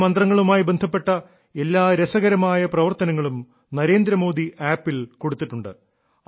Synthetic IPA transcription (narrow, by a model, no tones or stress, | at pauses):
mɐnd̪rɐŋːɐɭumaːjibe̞nd̪ʱɐpːe̞ʈːɐ | e̞lːaːɾesɐɣɐɾɐmaːjɐprɐʋɐrt̪ɐnɐŋːɐɭum | nɐɾe̞ːnd̪ɾɐmo̞ːd̪ʱiaːpːilko̞ɽut̪ːiʈːuɳɖɨ̰